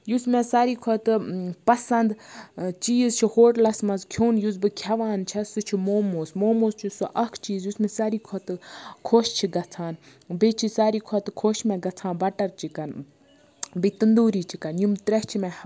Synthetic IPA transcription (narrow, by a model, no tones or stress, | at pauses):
jusmẽsaːɾiːkʰɔt̪ɨpɐsɐnd̪t͡ʃiːzt͡ʃʰihoːʈlɐsmɐzkʰoːnjuzbɨkʰɐʋaːnt͡ʃʰɐsɨt͡ʃʰimoːmoːsmoːmoːst͡ʃʰisuʔɐkʰt͡ʃiːzjusmɛ̃saːɾiːkʰɔt̪ɨkʰoʃt͡ʃʰiɡɐt͡sʰaːn | bet͡ʃʰisaːɾiːkʰɔt̪kʰoːʃmẽɡɐt͡sʰãːnbɐʈɐɾt͡ʃʰikɐn | bit̪ɨnd̪uːɾiːt͡ʃʰikɐnjumt̪ɾɐt͡ʃʰimẽ